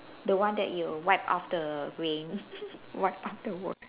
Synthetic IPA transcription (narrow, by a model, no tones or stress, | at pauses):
dəwãndɛ̰ʔ̚juwaɪpɔ̰fdəɹẽnwaɪp̚ɔfdəwɔk